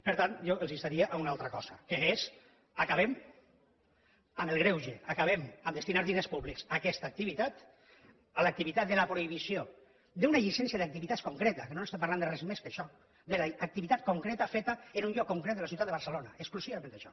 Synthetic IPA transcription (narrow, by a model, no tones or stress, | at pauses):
pəɾt̪anʒɔelˠzist̪aɾiəʔaunalˠt̪ɾəkɔzɐkees | əkaβɛm | əməlˠɣɾewʒeakaβɛməmd̪əst̪inazðinespuβliksakɛst̪ak̚t̪iβit̪at̪ | ələkt̪iβit̪at̪̚d̪əlɐpɾoiβisjo | d̪əunɐʎisɛnsjaðak̚t̪iβit̪atskoŋkɾɛt̪ɐkenonest̪ɛmpaɾland̪ərɛzmeskəʃɔ | d̪əlaːk̚t̪iβit̪at̪̚koŋkɾɛt̪əfet̪əenuɲʎɔkːoŋkɾet̪d̪əlasiuwt̪ad̪βəɾsəlonɐesklusiβamend̪əʃɔ